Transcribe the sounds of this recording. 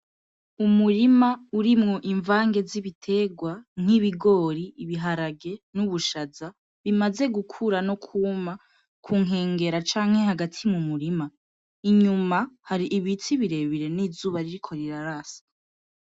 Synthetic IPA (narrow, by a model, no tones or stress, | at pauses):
umuɾimauɾimŋo̞ʔiɱvaːŋɡe̞ziβitʰe̞ːɡwaŋ̥iβiɡo̞ːɾiːβiɦaɾaɡe̞nuβuʃaza | βimaze̞ɡukʰuɾanokʰuma | kʰuŋɦe̞ːŋɡe̞ɾat͡ʃaːŋ̥he̞haɡatʰimumuɾima | iɲumahaɾiʔiβit͡siβiɾe̞βiɾe̞niːzuːβaɾiɾikʰo̞ɾiɾaɾaːsḁ